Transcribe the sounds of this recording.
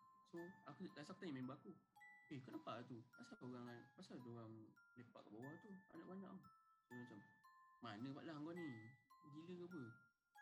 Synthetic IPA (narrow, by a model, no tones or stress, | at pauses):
soakudasak̚t̪aŋmembəakupekənəpaʔat̪upasaoɣaŋpasaldoɣaŋlepa̰ʔkaʔbawaht̪ua̰naʔbaɲaʔŋsomat͡ʃamːanəpaʔlaɦŋɡɔʔniɡiləkap̬ə